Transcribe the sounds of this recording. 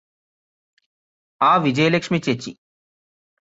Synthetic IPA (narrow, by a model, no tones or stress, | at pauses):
aːʋid͡ʑɐjlekʂmit͡ɕet͡ɕːḭ